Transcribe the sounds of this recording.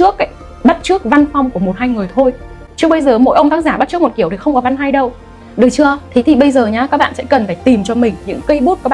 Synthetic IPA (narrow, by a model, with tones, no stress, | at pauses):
t͡ɕɨ˦˥ək̚ːaː˧˥j | ɓa˦˥t̚t͡ɕɨ˦˥k̚va˧nfa˧wŋ͡mku˧˩əmo˨˩t̚haː˧jŋɨ˨˩əjt̪ʰo˧j | t͡ɕɨ˧əɓə˧jzəː˨˩mo̰˧˥jʔə˧wŋ͡mt̪aː˨˦˥zaː˧˩a˦˥t̚t͡ɕɨ˦˥k̚m˨˩t̚ki˧˩əwt̪i˨˩xə˧wŋ͡mkɔ˨˦va˧nɦa˧jɗə˧w | ɗɨː˨˩jt͡ɕɨ˧ət̪ʰi˨˩t̪ʰi˨˩ɓə˧jzəː˨˩ɲaː˨˦kaː˦˥k̚ɓa̰ː˧˨nsɛ̰˧˥kə˨˩nfaː˧˩jt̪i˨˩mt͡ɕɔ˧mï˨˩ŋ̟ɲɨ̰˧˥ŋkə˧jɓu˦˥t̚kaː˦˥kː